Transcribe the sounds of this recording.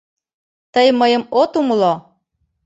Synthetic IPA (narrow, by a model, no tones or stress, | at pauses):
t̪əjməjə̆mot̪umlo